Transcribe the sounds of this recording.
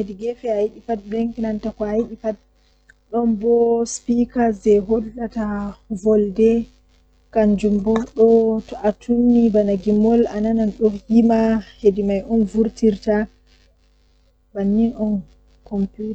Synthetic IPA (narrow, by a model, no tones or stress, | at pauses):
hediɡɛfɛajiɗipat̚bɛŋkinantakɔajiɗipat̚ | ɗɔnbɔspikazɛɦɔlːatavɔldɛ | kaɲd͡ʒumbɔɗɔtɔʔatʰunːibanaɡimɔlanananɗɔhimahedimajʔɔnvuɾtiɾta | banːinɔn | kɔmput